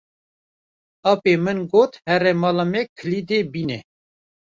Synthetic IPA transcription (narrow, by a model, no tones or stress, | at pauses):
ɑːpeːmɨnɡoːt̪hɛɾɛmɑːlɑmɛkʰəlid̪eːbiːnɛ